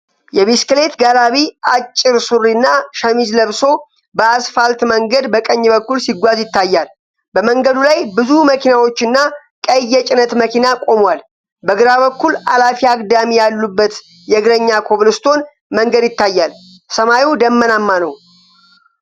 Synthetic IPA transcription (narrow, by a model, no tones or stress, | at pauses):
jɛβiskle̞t̪ɡalaβiat͡ʃʼːɪɾsurːinːaʃəmid͡ʒləβso̞ | bəasfalt̪məŋɡəd̪bəkʼəɲːbəkːulsiɡʷazjɪt̪ʰːajːal | bəməŋɡəd̪ulajbɨzuməkʰinawo̞t͡ʃːɪnːa | kʼəjːɛt͡ʃʼɪnət̪məkʰinakʼo̞mwal | bəɡɨɾaβəkːulalafiaɡʼd̪amijalːubːət̪ | jɛɡɨɾəɲːakʰo̞βlɨst̪ʰo̞n | məŋɡəd̪jɪt̪ːajːal | səmajiwd̪əmːənamːanəw